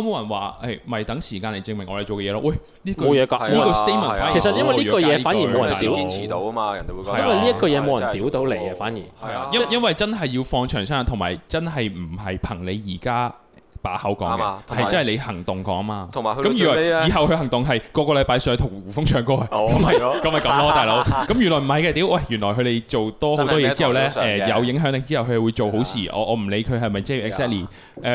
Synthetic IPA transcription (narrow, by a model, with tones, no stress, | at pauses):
ɔː˧mo˨˧wjɐ˨˩nwaː˨ʔɐ˥˩jmɐ˨jt̪ɐ˨˥ŋsiː˨˩kaː˧nle˨jt͡sɪ˧ŋmɪ˨˩ŋːʔɔ̰ː˨˧lt͡ʃo˨wkɛ˧ɛː˨˧lɔ̰ː˧˥wɐ˥˩j | liː˥kjɛː˨˧kːiː˥kɔ˧st̪e˥m˨˩˨faː˦˥jːke˨˩sɐ˨tjɐ˥nwɐ˨li˥˧kɔː˧jɛː˨˧aː˨˥nji˨mo˨wjɐ˨˩˨t̪iː˨˦˥i˥nʰiː˨˩t̪o˨˧wɐ˥maː˧jɐ̰˨ne˧˨wu˧˨jɐ˥nwɐ˨li˥ɐ˥kɔː˧jɛ˨˧mo˨˧wjɐ˨˩˨nt̪iː˨˥wt̪o˨˧wle˨˩jɐ˧faː˨˥njḭ˨˩jɐ˥jɐ˥nwɐ˨jt͡sɐ˥nɦɐ˨jjiː˧wfɔː˧ŋt͡ʃʰœː˨˩ŋsaː˥˨˧t̪ʰʊ˨˩ŋma̰ː˨jt͡sɐ˥nɦɐ˨jm̩˨˩ɦɐ˨jpʰɐ˨˩ŋle˨˧jjiː˨˩kaː˥ | paː˨˥hɐ˨˥wkɔ̰ː˨˥˨kɛ˧˨hɐ˨jt͡sɐ˥nhɐ˨˩le˨˧hɐ˨˩ŋt̪ʊ˨ŋkɔ̰ː˨˥ŋmaː˧˨kɐ˨mjy˨˩lɔː˨˩iː˨˩ɦɐ˨wkʰɦɐ˨˩ŋt̪ʊ˨˩ŋɦɐ˨jkɔː˧kɔː˧lɐ˨˥jpaː˧jsœː˨˥t̪ʰʊ˨˩wuː˨˩fʊ˥ŋt͡ʃʰœː˨˥ŋkɔː˥ɐ˨˧˩kɐ˨˦mhɐ˨˩kɐ˨˦mhɐ˨jkɐ˨˦mlɔː˥t̪aː˨jlo˨˥wkɐ˨˥mjy˨˩nlɔ˨˩jm̩˨˩ɦɐ˨jkɛː˧t̪i˨˥wwʔɐ˥˩jyː˨˩nlɔː˨˩jkʰɵ˨˧t̪e˨jt͡ʃo˨wt̪ɔː˥ho˨˥wt̪ɔː˥jɛː˧t͡si˥hɐ˨wlɛː˥ɛː˧jɐ˨˧wjɪ˨˧˥ŋɦœː˨˥ŋlɪ˨k̚t͡siː˥hɐ˨wkʰɵ˧hɛ˨˩wuː˨˧jt͡so˨who˨˥wsʰiː˨˩ʔɔ̰ː˨˧ʔɔː˨˧m̩˨˩le˨˧jkʰɵ˨˧ɦɐ˨jmɐ˨jt͡sːɛ˨ksɛː˥k̚liː˨˩ | ʔɛː˧